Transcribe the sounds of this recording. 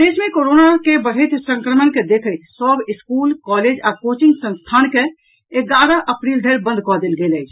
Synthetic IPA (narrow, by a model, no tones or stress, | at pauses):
d̪esmẽkoɾonakebəɽ̤əɪt̪ʰsə̃ŋkɾəmənked̪ekʰəjt̪ʰsəbiskulkɔled͡ʒakot͡ʃiŋɡsə̃nst̪ʰanke | eɡaɾəʔəpɾild̪ʱəɾbə̃nd̪ʱkɔd̪elɡeləjt͡ʃʰ